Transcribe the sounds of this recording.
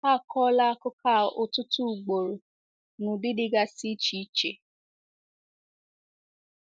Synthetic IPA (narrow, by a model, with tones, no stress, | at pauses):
a˦˨kʰɔ˦la˦kʊ˦kʰa˦˨o˨tʊ˦tu˦˨ɡ͡bo˨ɾo˨ | nũ˨di˦di˦ɡa˦si˦t͡ʃi˦t͡ʃe˨